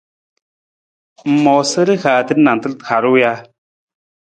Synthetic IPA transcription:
m̩˨mɔ˨sə˦ɾə˦xaː˨t̪ə˦nna˨n˨t̪ə˦lt̪xʰa˨ɾu˦ja˦

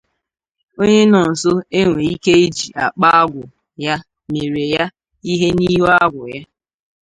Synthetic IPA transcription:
o˦ɲe˦nɔ˨n̩˨so˦e˦ŋʷe˨i˦ke˦i˦d͡ʒi˨ʔa˨k͡pa˦a˦ɡʷʊ˨ | ja˦ | me˨ɾe˨ja˦ | i˦ɦe˦ni˦ɦo˦a˦ɡʷʊ˨ja˦

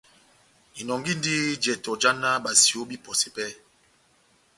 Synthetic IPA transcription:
i˨nɔ˨ŋɡi˦n˦di˦d͡ʒɛ˨tɔ˨d͡ʒa˦na˦ɓa˨si˨o˦bi˦pɔ˨se˨pɛ˦

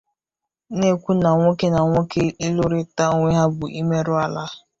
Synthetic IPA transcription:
ne˦kʷu˦na˨ŋʷo˦ke˦na˨ŋʷo˦ke˦ɪ˦lʊ˦ɾɪ˦ta˦ŋʷe˦ɦa˦bʊ˨ʔi˦me˦ɾʊ˦a˨la˦

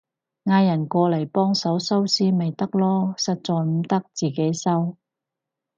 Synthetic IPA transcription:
ŋaː˧jɐ˨˩nkʷɔː˧lɐ˨˩jpɔː˥ŋsɐ˨˥wsɐ˥wsiː˥me˨jt̪ɐ˥k̚lɔː˥sɐ˨t̚t͡sɔː˨jm̩˨˥t̪ɐ˥k̚t͡siː˨˩ke˨˥jsɐ˥w

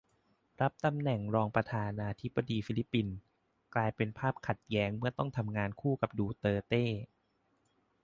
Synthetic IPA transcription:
ɾa˦˥p̚t̪a˧mnɛ˨˩ŋɾɔː˧ŋpɾa˧t̪ʰaː˧naː˧t̪ʰi˦˥b̥ːa˧diː˧fiː˦li˦˥pːi˧n | klaː˧jpe˧npʰaː˥˩p̚kʰa˨˩t̪̚jɛː˦˥ŋmɯ˥˩ɐt̪ɔ˥˩ŋt̪ʰa˧mŋaː˧nkʰuː˥˩ka˨˩p̚duː˧t̪ɤː˧t̪eː˥˩

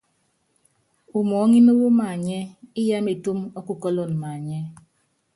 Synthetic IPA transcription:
u˨mɔ˨˦ŋi˦mo˦wo˦ma˨ɲɛ˦i˦ja˦me˨tu˦mɔ˦ku˨kɔ˦lɔ˦˨n˨ma˨ɲɛ˦

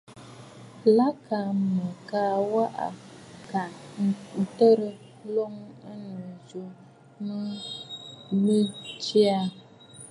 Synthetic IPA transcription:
la˦ka˨mə˨kaː˦wa˦ʔa̰˨ka˨n˦n̩˨tə˦ɾə˨˦ | lo˦ŋa˦nə˨zu˨ | nə˦ | mi˦t͡ʃi˦a˦

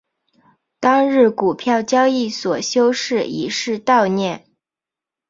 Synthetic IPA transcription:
t̪ɑ˥ŋɻɻ̩˥˩ku˨˩pʰjɑ˥˩ʊt͡ɕjɑ˥ʊi˥˩swɔ˨˩ɕjo˥ʊʂɻ̩˥˩ḭ˧˥ʂɻ̩˥˧t̪ɑ˥˧ʊnjɛ˥˩n

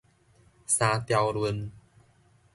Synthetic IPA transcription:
saː˧t̪ja˧wlu˧n

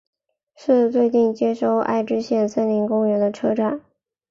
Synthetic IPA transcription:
ʂɻ̩˥˧t͡swe˥˧ɪt͡ɕi˥˩ŋt͡ɕjɛ˥ʂo˥˧ʊʔa̰˥˩ɪʈ͡ʂɻ̩˥ɕjɛ˥˩nsə˥nli˧˥ŋkʊ˥ŋɥɛ˧˥nd̪ə˧ʈ͡ʂʰɤ˥ʈ͡ʂa˥˩n

